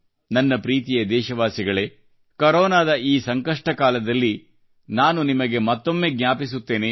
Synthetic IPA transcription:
nɐnːɐpɾiːt̪̬ijɐd̪ɛːʃɐʋaːsiɡɐɭe̞ | kɐɾɔːnaːd̪ɐiːsɐŋkɐʂʈɐkaːlɐd̪ɐlːi | naːnunimɐɡe̞mɐt̪ːo̞mːe̞ːɡnʲaːpis̬ut̪ːe̞ːne

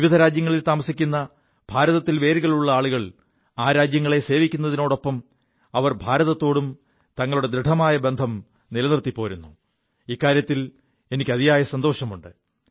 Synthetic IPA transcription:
ʋiʋid̪ʱɐɾaːd͡ʑjɐŋːɐɭilt̪aːmɐsikʲːunːɐ | b̥ʱaːɾɐðɐt̪ːilʋe̞ːɾiɣɐɭuɭːɐaːɭuɣɐɭ | aːɾaːd͡ʑjɐŋːɐɭe̞se̞ːʋikʲːunːɐðino̞ːɽo̞pːɐm | ɐʋɐrbʱaːɾɐðɐt̪ːo̞ːɽum | t̪ɐŋːɐɭuɽe̞d̪ɾiʈʰɐmaːjɐbe̞nd̪ʱɐm | nilɐnirt̪ːipːo̞ːɾunːu | iːkːaːɾjɐt̪ːil | e̞nikʲːɐðijaːjɐsɐnd̪o̞ːʂɐmuɳɖɨ

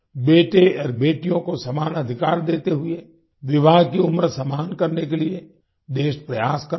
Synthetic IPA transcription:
beːʈeɔːɾbeːʈijõkosɐmaːnɐd̪ʱɪkaːɾd̪eːt̪eɦʊe | ʋɪbʱaːɡkiʊmɾəsɐmaːnkɐɾnek̬elie | d̪eːʃpɾɐjaːskɐɾ

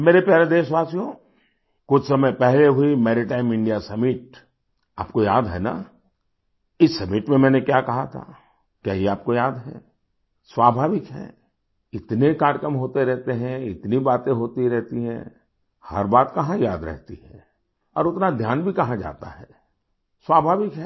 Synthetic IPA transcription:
meːɾepjaːɾed̪eːʃʋaːsijõ | kʊt͡ʃʰsɐməjpɛɦleɦʊimɛːɾɪʈaːɪmɪ̃ɳɖijasɐmɪʈ̚ | a̰ːpkojaːd̪ɦɛ̰ːna̰ | ɪsːɐmɪʈmẽmɛ̃ːnekjaːkɐɦat̪ʰa̰ | kjaːɦiaːp̚kojaːd̪ɦɛ̰ː | swaːbʱaːʋɪkɦɛ̰̃ː | ɪt̪nekaːɽkəmɦoːt̪eɾɛɦt̪eɦɛ̃ɪt̪nibaːt̪ẽɦoːt̪iɾɛɦt̪iɦɛ̰̃ː | hɐ̰ɾbaːt̪kɐɦãjaːd̪ɾɛ̰ɦt̪ḭɦɛː | ɔ̰ːɾʊt̪nad̪ʱjaːnbʱikɐɦãd͡ʒa̰ːt̪a̰ɦɛː | swaːbʱaːʋɪkɦɛː

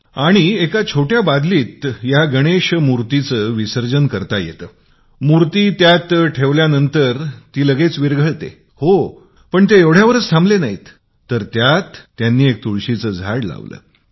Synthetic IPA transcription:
aɽ̃iekat͡ɕʰoʈjabad̪liːt̪jaɡəɽ̃eɕmuɾt̪it͡səːʋisəɾd͡ʑənkəɾt̪ajḛt̪əː | muɾt̪iːt̪jat̪ʈʰeʋljanənt̪əɾt̪iːləɡet͡sʋiɾɡʱəɭt̪ḛ | ho | pəɳt̪eeʋɽ̤jaʋəɾət͡st̪ʰãmblenaɦḭt̪ː | əɾt̪jat̪ːjanːiːek̚t̪uɭɕit͡səːd͡zʱaɽla̰ʋlə̰ː

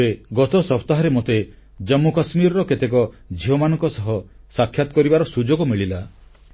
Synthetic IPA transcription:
eɡɔt̪ɔsɔpʰt̪aɦɔɾemot̪e | d͡ʒəmːukɔsmiɾɔɾɔket̪ek̬ɔ | d͡ʒʱiɔmanɔ̃ŋkɔsɔɦɔ | sakʰːjat̪ɔ̥kɔɾibaɾɔsud͡ʒoɡɔmiɭila

